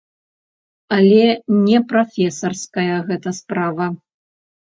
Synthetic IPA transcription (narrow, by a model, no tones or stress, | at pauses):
ɐlʲɛnʲɛpɾafʲɛsɐrskɐjɐɣɛt̪ɐspɾavɐ